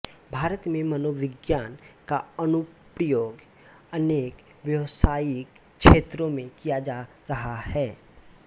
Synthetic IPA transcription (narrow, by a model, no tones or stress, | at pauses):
bʱaːɾət̪mẽmɐnoːʋɪɡjaːnkaənʊpɾəjoːɡ | əneːk | ʋjəwsaːjɪk | ʃeːt̪ɾõmẽkijad͡ʒaː | ɾɐɦahɛː